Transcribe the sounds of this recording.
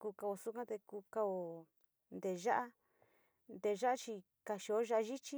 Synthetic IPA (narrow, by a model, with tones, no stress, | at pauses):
kuː˧ka˧o˧˨su˦kã˦t̪e˧kuː˧ka˧o˧˨ | nd̪e˧˨ʒa˦ʔa˦ | nd̪e˧˨˧ʒa˦ʔa˦t͡ʃi˧ | ka˧ʃi˧o˧˦ʒa˧ʔa˧ʒi˦t͡ʃi˦